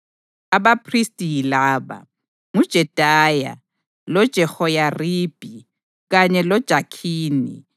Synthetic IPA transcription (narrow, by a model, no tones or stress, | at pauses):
aβapʰristʼijilaːβa̰ | ŋud̥ʒ̥ʱɛd̥ʱaːja̰ | lɔd̥ʒ̥ʱɛhɔjariːb̥ʱi | ɣaɲɛlɔd̥ʒ̥ʱakʰiːnḭ